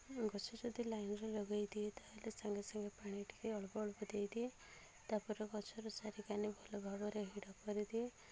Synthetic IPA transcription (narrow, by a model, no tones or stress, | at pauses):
ɡɔt͡ʃʰɔd͡ʒɔd̪ʱilajnɔɾelɔɡajd̪iet̪aɦelesaŋɡesaŋɡepaɽ̃iʈʰi̥keɔɭɔpɔɔɭpɔd̪ejd̪ie | t̪apɔɾɔkɔt͡ʃʰɔɾɔsaɾikanibʱɔlɔɡʱɔbɔɾeɦiɽɔpːɔɾid̪ie